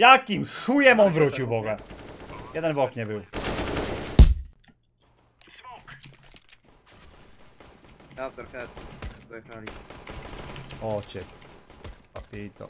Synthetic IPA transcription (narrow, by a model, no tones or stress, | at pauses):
jakimʃujɛmɔnvɾut͡ɕiwvɔɡa | jɛd̪ɛnvɔkɲɛbɨw | awt̪ɔɾɛ | ali | ɔt͡ʃɛ | papit̪ɔ̰